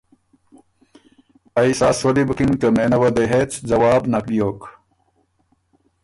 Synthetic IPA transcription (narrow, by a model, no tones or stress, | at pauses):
ɐisaːsolibkinkɐmenɐʋɐd̪eɦet͡sd͡zɐwaːbnɐkɓijoːk